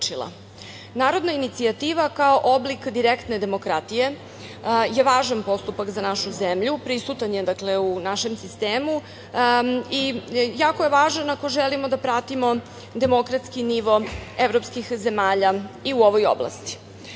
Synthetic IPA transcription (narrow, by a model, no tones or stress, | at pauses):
t͡ʃila̰ | naːɾo̞d̪nainit̪siat̪iːʋakaoʔoblikd̪iɾekt̪ned̪e̞mo̞kɾat̪ije̞ | je̞ʋaːʒanpo̞st̪upakzanaʃuzemʎupɾisut̪anjed̪akleunaʃe̞msist̪eːmu | ijaːko̞jeʋaːʒanako̞ʒelimo̞d̪apɾat̪imo̞ | d̪e̞mo̞kɾat̪skiniʋo̞eʋɾopskixze̞maːʎaiuoʋo̞jo̰blˠa̰st̪i̥